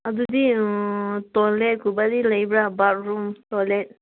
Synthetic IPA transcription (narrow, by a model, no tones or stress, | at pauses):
adudi | tɔlet̚kubadiləjbɾabaɾɾumtɔlet̚